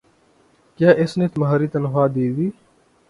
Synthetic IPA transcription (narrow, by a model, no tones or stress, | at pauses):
kjaːʔɪsneːt̪mɦaːɾiːt̪ənɦaːd̪iːd̪iː